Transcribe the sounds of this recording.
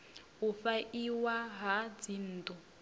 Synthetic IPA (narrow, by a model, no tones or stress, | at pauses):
ɦufaʔiwaɦad͡zin̩ːtɔ